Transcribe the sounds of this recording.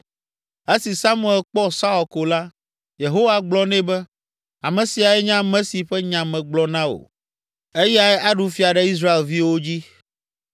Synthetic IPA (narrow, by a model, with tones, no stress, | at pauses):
e˦si˨sa˦mũ˦˨ɛ˨lk͡pɔ˦sa˦ɔ˨ko˨la˦ | je˨ɦo˦wa˨ɡ͡blɔ˦nɛ̃˦bɛ˦ | a˨mɛ̃˨si˨a˨ɛ˦ɲã˦mɛ̃˦si˨ɸɛ˦ɲã˨mɛ̃˨ɡ͡blɔ˦nã˦o̰˨ | e˦ja˨ɛ˦ʔa˦ɖu˨fi˦a˨ɖɛ˦i˦s̬ɾa˦e˨lvi˦wo˦d͡ʑi˦